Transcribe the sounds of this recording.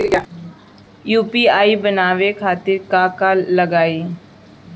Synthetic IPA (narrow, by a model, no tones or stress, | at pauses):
juːpiːaːiːbənaːʋeːkʰaːt̪ɪɾkaːkalːəɡaːiː